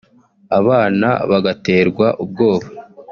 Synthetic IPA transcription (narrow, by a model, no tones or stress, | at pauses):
aβaːna̰βaɡate̞ːɾɡwaʔub̚ɡo̞ːβa